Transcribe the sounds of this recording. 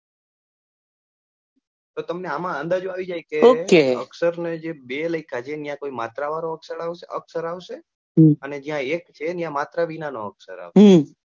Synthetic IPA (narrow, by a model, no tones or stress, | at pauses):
t̪ot̪əmneamãənd̪ad͡ʒuaʋid͡ʒajkeokeəksəɾned͡ʒebeləikʰat͡ʃʰenjãkoimat̪ɾaʋaɾoəksəɾaʋə̰ksəɾaʋʃe | əned͡ʒijãekt͡ʃʰenjãmat̪ɾaʋinanoəksə̰ɾa̰ʋɦ